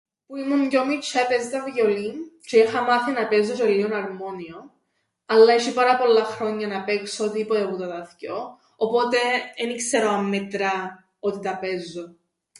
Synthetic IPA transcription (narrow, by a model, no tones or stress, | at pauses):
puimumɟomit͡ʃʰɐpezt̪ɐvʝolimt͡ʃeixɐmɐθinɐpezːot̪elːionɐɾmo̞nion | ɐlːɐiʃipɐɾɐpo̞lːɐxɾo̞ɲːɐnɐpeksot̪ipot̪eput̪ɐt̪ɐθcoː | po̞t̪e̞enikseɾoɐmːet̪ɾɐ | ot̪it̪ɐpezːo